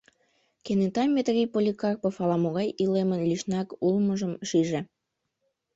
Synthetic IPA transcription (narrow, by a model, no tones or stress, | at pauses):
kenet̪ɑmʲːet̪rʲipolʲikɑrpɤfɑlɑmoɣɑjilemənlʲiʃnɑkulməʒəmʃiʒe